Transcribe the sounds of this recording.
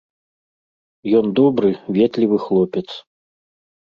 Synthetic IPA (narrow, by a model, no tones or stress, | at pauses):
jɔnd̪ɔbɾɨvʲɛt̪lʲivɨxlˠɔpʲɛt̪s